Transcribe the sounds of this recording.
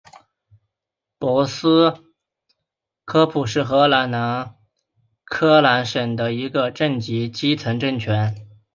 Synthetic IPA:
pwɔ˧˥sɹ̩˥ | kʰɤ˥pʰu˨˩ʂɻ̩˥˩xɤ˧˥la˧˥nna˧˥n | kʰɤ˥la˧˥nʂə˨˩ŋd̪ə˦i˧˥ɡə˧ʈ͡ʂə˥˩ŋt͡ɕi˧˥t͡ɕi˥t͡sʰɤ˧˥ŋʈ͡ʂə˥˩ŋt͡ɕʰɥɛ˧˥n

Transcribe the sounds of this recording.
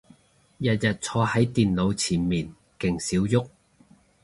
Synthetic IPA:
jɐ˨t̚jɐ˨t̚t͡sʰɔː˧hɐ˨˥jt̪iː˨nlo˨˧wt͡sʰiː˨˩nmiː˨˩n | kɪ˨˩ŋsiː˨˥wjʊ˥k̚

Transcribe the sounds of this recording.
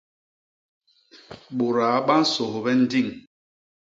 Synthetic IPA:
ɓo˨ɾa˨˦ɓa˦n̩˦so˨ho˨bɛ˦n̩˦di˦˨ŋ

